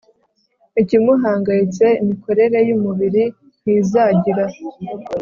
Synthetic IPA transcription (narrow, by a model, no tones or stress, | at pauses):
icimuɦaːŋɡajit͡se̞imiko̞ɾe̞ɾe̞jumuβiɾi | n̥hizaːɟiɾa